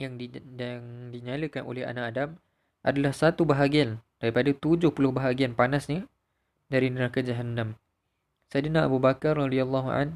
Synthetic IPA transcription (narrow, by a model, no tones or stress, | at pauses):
jaŋaŋdiɲaləkanʔo̰lɛha̰naʔadam | ʔadalahsat̪ubaɦaɡiand̥aɾipadat̪ud͡ʒʊhpulʊhbaɦaɡianpanasɲa | daɾinəɾakad͡ʒaɦanːãm | sajdnaa̰bubakarɑdialːɑɦua̰n